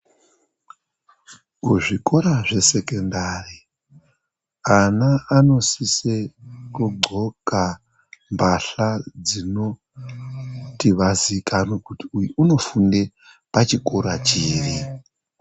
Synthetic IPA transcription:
kuʐiko̞ɾaʐe̞se̞kendaːri | anaano̞sisekuɡ͡ǃʱo̞ka | mbʱaɬad͡zino̞ | tiʋazikanwokutiujuuno̞funde | pat͡ʃikoɾat͡ʃiːri

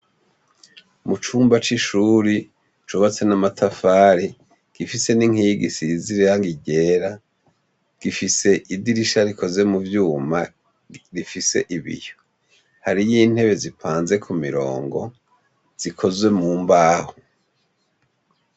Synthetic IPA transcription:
mut͡ʃuːmbat͡ʃiʃuɾi | t͡ʃuβat͡se̞namatʰafaːɾi | ɡ̥ifise̞niŋ̥iɡisiziɾijaŋɡiɟe̞ːɾa | ɡ̥ifise̞ʔidiɾiʃaɾikʰo̞ze̞muvjuːma | ɾifise̞̰ʔiβḭjo | haɾijiːn̥he̞βe̞zipʰaːnze̞kʰumiɾo̞̰ːŋɡo̞̰ | z̥ikʰo̞zwe̞muːmbaːho

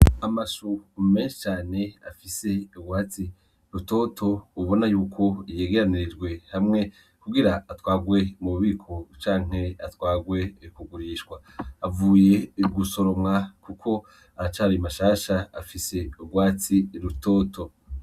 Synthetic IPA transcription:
amaʃumeːnʃi̥t͡ʃaːne̞afise̞uɡɡwaːt͡si | ɾuto̞ːtʰo̞uβo̞najuːkʰo̞ije̞ːɡeɾanid͡ʒɡwe̞hamŋe̞ | kuɡiɾaːtwaːɡwe̞muuβiːkʰot͡ʃaːŋ̥he̞atwaːɡwe̞kuɡuɾiːʃkwaː | vuːje̞ɡuso̞ɾo̞mŋakukʰo̞ | aɾat͡ʃaːɾiamaʃaːʃaafise̞ubɡwaːt͡siɾuto̞ːtʰo̞

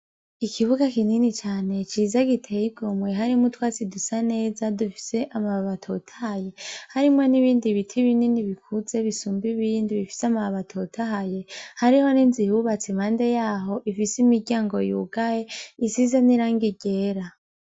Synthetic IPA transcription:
ikʰiβuɡakininit͡ʃaːne̞t͡ʃiːzaɡitʰeiɡ̥omwe̞ɦaɾimutwaːt͡sidusane̞ːzadufi̥se̞ʔamaβaβatʰotʰahaje̞haɾimŋe̞niβiːndiβitʰiβininiβikʰuze̞βisuːmbiβiːndiβifi̥samaβaβatʰotʰaɦaje̞haɾiho̞niːnzihuβat͡simhaːnde̞jaːɦo̞ʔifisimiɾɟaːŋɡo̞̰jṵɡajeisizaniɾaːŋɡiɟe̞ːɾa

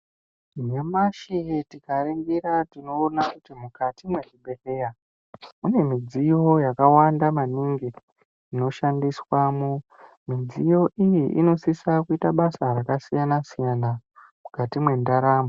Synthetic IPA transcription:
nemaʃiɦetikaɾeŋɡiɾatino̞ːnakutimukatimwe̞ʐiɓe̞reja | une̞mid͡zijo̞jakawandamaniŋɡe | ino̞ʃandiswamo | mid͡zijo̞ʔijiʔino̞sisakuitaɓasaɾakasijanasijana | mukatimwe̞ndaɾaːmbo

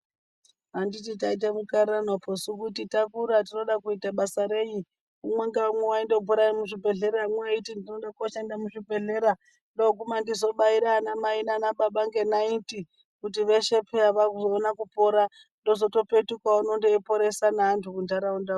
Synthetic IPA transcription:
ɦanditit̬ait̬amukaɾanopʰosukutitakuɾat̬ino̞ɗakuitaɓasaɾe̞ji | umweŋɡaamwewaindoupuɾaimuʐibʱe̞ɮe̞ɾaamwewaitindinonɗakoʃendamuʐibʱe̞ɮe̞ɾa | ndok̬umandizo̞ɓaiɾaːnamainanaɓaɓaŋɡe̞nainti | kutiʋe̞ʃe̞pʰeaʋakuzoːnakupo̞ɾa | ndo̞zo̞to̞petukwauno̞ndepo̞ɾe̞sanaantʰukundʱaɾaundau

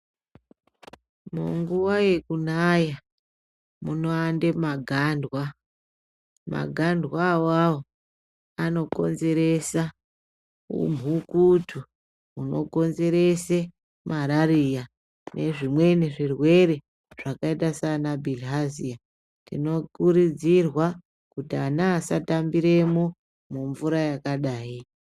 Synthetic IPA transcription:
muŋɡuwaje̞kunaja | muno̞andemaɡʱandwa | ma̰ɡʱandʱwawawo | ano̞ko̞nze̞ɾe̞sa | ṵm̤ʱukutʰu | uno̞̰ko̞nze̞ɾe̞se | maɾaɾija | nʔe̞ʐimwe̞neʐirwe̞ɾe̞ | ʐ̥akaitasanabʱilɦazia | tino̞kuɾid͡zirwa | kutianaːsatambiɾe̞mo | muɱvuɾajakaɗaːi

